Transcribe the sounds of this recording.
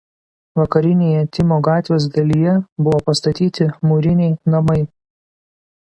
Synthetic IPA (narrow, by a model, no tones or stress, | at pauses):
ʋɐkɐɾʲɪnʲeːjɛt̪ʲɪmoːɡɑːt̪ʲʋʲeːsd̪ɐlʲijɛbʊʋoːpɐst̪ɐt̪ʲiːt̪ʲɪmuɾʲɪnʲɛɪnɐmɐɪ